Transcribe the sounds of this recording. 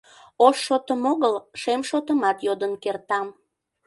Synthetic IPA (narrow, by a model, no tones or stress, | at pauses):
oʃːot̪əmoɣəlʃemʃot̪əmɑt̪jod̪ənkert̪ɑm